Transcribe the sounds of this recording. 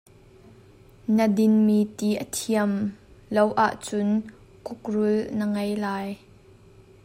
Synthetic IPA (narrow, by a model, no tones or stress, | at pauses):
nədɪnmiːt̪iːʔət̪ʰiəmlowʔa̰ʔt͡sʊn | kʊk̚rʊlnəŋejlaːj